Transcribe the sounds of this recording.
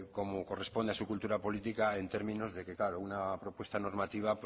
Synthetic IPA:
ko̞mokore̞spo̞nd̪asukult̪uɾapo̞lit̪ikae̞nt̪e̞ɾmĩno̞zðe̞ke̞klaɾo̞unapɾo̞pwe̞st̪ano̞ɾmat̪iβ̞ap

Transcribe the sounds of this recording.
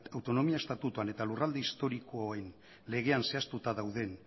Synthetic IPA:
awt̪o̞no̞miaest̪at̪ut̪uane̞t̪alurald̪eist̪o̞ɾikoen | le̞ɣ̞e̞anse̞ast̪ut̪aðawðe̞n

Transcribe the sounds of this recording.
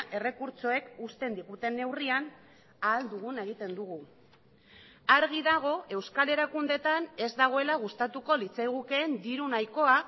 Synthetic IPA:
ʔe̞re̞kuɾt͡so̞e̞kust̪e̞nd̪iɣut̪e̞nːe̞wrian | aːld̪uɣ̞une̞ɣ̞it̪e̞nd̪uɣ̞u | aɾɣ̞iðaɣ̞o̞e̞wskale̞ɾakund̪e̞t̪ane̞zd̪aɣ̞o̞e̞laɣ̞ust̪at̪uko̞lit͡sajɣ̞uke̞ːnd̪iɾunajko̞a

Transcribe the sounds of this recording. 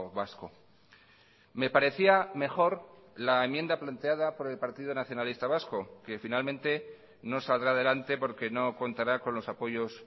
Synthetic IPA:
βasko | me̞paɾe̞θiame̞xo̞ɾ | laemje̞nd̪aplant̪e̞aðapo̞ɾe̞lpaɾt̪iðonaθjo̞nalist̪aβ̞asko̞ke̞finalmẽ̞nt̪e̞ | no̞sald̪ɾaðe̞lant̪e̞po̞ɾke̞no̞ko̞nt̪aɾako̞nlo̞sapo̞ʝo̞s

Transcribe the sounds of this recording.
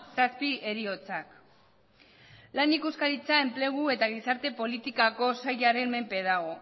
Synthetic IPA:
saspiʔe̞ɾio̞t͡sak | lanikuskaɾit͡sae̞mple̞ɣ̞ue̞t̪aɣ̞isaɾt̪e̞po̞lit̪ikako̞sajaɾe̞nme̞mpe̞ðaɣo̞

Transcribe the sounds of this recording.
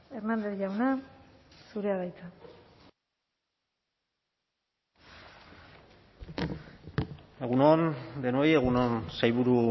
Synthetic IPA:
eɾnand̪e̞θʝawna | suɾe̞aðajt͡sa | e̞ɣunond̪e̞no̞je̞ɣunonsajβuɾu

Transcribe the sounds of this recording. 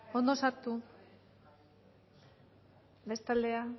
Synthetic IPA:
o̞nd̪osaɾt̪u | be̞st̪ald̪e̞a

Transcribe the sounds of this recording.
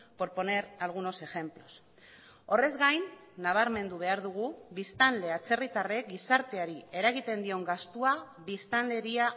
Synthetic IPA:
po̞ɾpo̞ne̞ɾalɣ̞uno̞se̞xe̞mplo̞s | o̞re̞zɡajnː | aβ̞aɾme̞nd̪uβ̞e̞aɾðuɣ̞uβist̪anle̞at͡se̞rit̪are̞ɡisaɾt̪e̞aɾie̞ɾaɣit̪e̞nd̪io̞ŋɡast̪ua | βist̪anle̞ɾia

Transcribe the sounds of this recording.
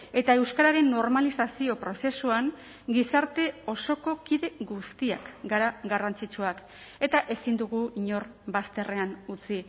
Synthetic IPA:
e̞t̪ae̞wskaɾaɾe̞nːo̞ɾmalisasio̞pɾo̞se̞suaŋ | ɡisaɾt̪e̞o̞so̞ko̞kiðe̞ɣust̪ia̰kɡaɾaɣarant͡sit͡ʃuak | e̞t̪aʔe̞sind̪uɣuiɲo̞rbast̪e̞re̞anut͡si

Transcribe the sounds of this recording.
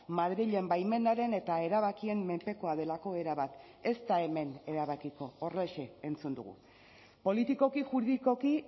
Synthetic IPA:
maðɾiʎe̞mbajme̞naɾe̞ne̞t̪ae̞ɾaβ̞akie̞mːe̞mpe̞ko̞að̞e̞lako̞e̞ɾaβat̪ | e̞st̪ae̞me̞ne̞ɾaβakiko̞ːret͡ʃe̞ːnt͡sund̪ṵɣṵ | po̞lit̪iko̞kiʝuɾðiko̞ki

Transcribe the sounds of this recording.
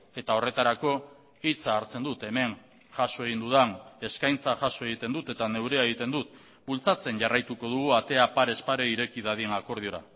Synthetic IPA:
e̞t̪ao̞re̞t̪aɾako̞ | it͡saːɾt͡se̞nd̪ut̪e̞me̞ŋ | ʝaso̞e̞ɣind̪uðane̞skajnt͡saʝaso̞e̞ɣit̪e̞nd̪ut̪e̞t̪ane̞wɾe̞ae̞ɣit̪e̞nd̪ut̪ | bult͡sat͡se̞nʝarajt̪uko̞ðuɣ̞uat̪e̞apaɾe̞spaɾe̞iɾe̞kiðaðienako̞ɾð̞io̞ɾa

